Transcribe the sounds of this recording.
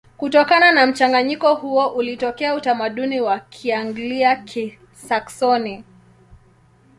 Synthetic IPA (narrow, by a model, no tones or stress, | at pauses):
kutɔkananam̩t͡ʃaŋɡaɲikɔhuɔʔulitɔkɛautamaɗuniwakʰiaŋɡliakʰi | saksɔni